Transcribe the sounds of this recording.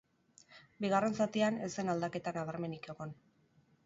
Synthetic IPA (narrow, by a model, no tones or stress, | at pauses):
biɣ̞are̞nsat̪iane̞senald̪ake̞t̪anaβ̞aɾme̞nikoɣon